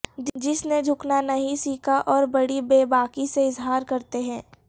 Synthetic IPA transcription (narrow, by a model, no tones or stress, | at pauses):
d͡ʒɪsned͡ʒʱʊknanɐɦĩsiːkʰaʔɔːɾbɐɽibeːbaːkiseɪzɦaːɾkɐɾt̪eɦɛ̃ː